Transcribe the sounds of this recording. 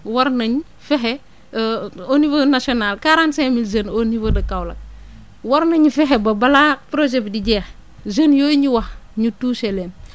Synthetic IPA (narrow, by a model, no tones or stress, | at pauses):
wɐɾnɐɲ | fɛɦɛ | onivoːnasionaːlkaɾansemilzɐnonivodɐkawlɐ̰k̚ | wɐɾnɐɲifɛɦebɐbɐlapɾoʒɛpdiɟɛːx | zɐnjoːɲiwɐxɲutuːselɛːn